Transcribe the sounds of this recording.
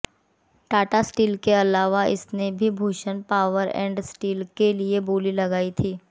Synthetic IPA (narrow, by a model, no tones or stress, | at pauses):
ʈaːʈasʈiːlkeɐlaːʋaʔɪ̰snebʱibʱoːʃənpaːʋəɾɛ̰̃ːɳɖsʈiːlkelieboːlilɐɡaːit̪ʰiː